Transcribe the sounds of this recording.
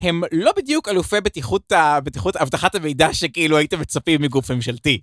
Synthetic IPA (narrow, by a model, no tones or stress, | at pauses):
he̞mlo̞bid̪jukalufebetiχut̪abet̪iχutavtaχatame̞jdaʃekiiluaite̞met͡sapimːiɡufmemʃalti